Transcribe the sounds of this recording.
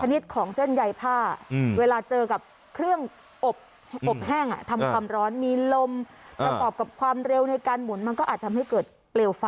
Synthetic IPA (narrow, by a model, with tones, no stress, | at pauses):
t͡ɕʰa˧ni˦˥t̪̚kʰɔː˩˦ŋse˥˩nja˧jpʰaː˥˩weː˧laː˧t͡ɕɤː˧ka˨˩p̚ | kʰɾɯ˥˩əŋ | ʔo˨˩p̚ | ʔo˨˩p̚hɛː˥˩ŋʔa̰˨˩t̪ʰa˧mkʰwaː˧mɾɔː˦˥nmiː˧lo˧m | pɾa˧kɔː˨˩p̚ka˨˩p̚kʰwaː˧mɾe˧wna˧jkaː˧nmu˨˩˦nma˧nkɔː˥˩ʔaː˨˩t̪ʰːa˧mha˥˩jkɤː˨˩t̪̚ | pleː˧wfa˧